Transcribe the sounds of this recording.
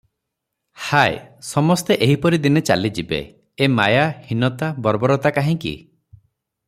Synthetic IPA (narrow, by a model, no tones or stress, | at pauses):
haḛsɔmɔst̪eʔeɦipɔɾid̪inet͡ʃa̰lid͡ʒibḛ | ema̰jahinɔt̪abɔɾbɔɾɔt̪akaɦĩkḭ